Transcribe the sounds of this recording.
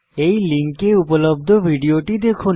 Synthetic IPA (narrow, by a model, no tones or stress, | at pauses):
ejliŋkeupolob̚d̪ʱobʱiɖioʈid̪ekʰon